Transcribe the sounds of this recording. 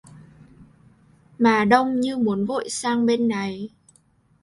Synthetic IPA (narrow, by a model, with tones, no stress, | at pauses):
maː˨˩ɗə˧wŋ͡mɲɨ˧mu˨˦ənvo̰˧˨jsaː˧ŋɓe˧nːa˨˩j